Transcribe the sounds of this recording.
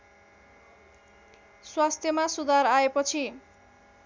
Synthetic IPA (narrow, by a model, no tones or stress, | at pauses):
swast̪ʰjʌmasud̪ʱaɾaepʌt͡sʰi